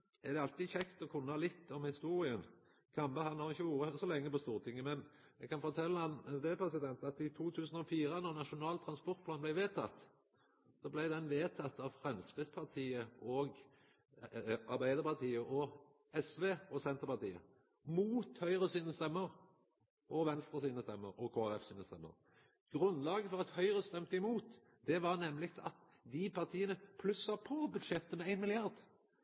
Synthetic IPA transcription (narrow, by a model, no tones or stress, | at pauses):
ɛʁd̪ɛɑlt̪iːçɛkt̪ɔkʰʊnːɑlɪt̪ːɔmhɪst̪uːʁɪən | kʰɑmbəhɑnlɑʁɪçːəʋuːɾəsɔlɛŋːəpɔst̪uːʁət̪ʰɪŋːəmɛnɛɡkɑnfɔt̪ʰɛlːəɑnd̪epʰɾɛsɪd̪ɛnt̪ɑt̪ɪt̪ʰuːt̪ʰʉːsən̩ɔfiːɾənɔʁnɑʃʊnɑːlt̪ʰɾɑnspɔʁt̪̚pʰlɑːnblæɪʋeːt̪ʰɑt̪ː | sɔblæɪd̪ɛnʋeːt̪ʰɑt̪ːɑʋfʁɛmskʁɪspʰɑʁt̪ʰiːəɔːɡ | ɑʁbæɪd̪əʁpɑʁt̪ʰiːəʔɔ | ɛsʋeːɔsɛnt̪ʁəpɑt̪ḭːə̰ | muːt̪hœʏʁəsiːnəst̪ɛmːəʁ | ʔɔʋɛnst̪ʁəsiːnəst̪ɛmːəɾɔkʰoːæʁɛfsiːnəst̪ɛmːə̰ʁ | ɡ̥ʁʉnlɑːɡəfɔʁɑt̪hœʏʁəst̪ɛmt̪əɪmuːt̪ | d̪̥ɛʋɑʁnɛmːlɪkt̪ɑt̪ | d̪ɪpʰɑʁt̪ʰiːənəpʰlʉsɑpʰɔbʉd̪ʃɛt̪ːəmɛæɪnmɪlɪɑʁd̪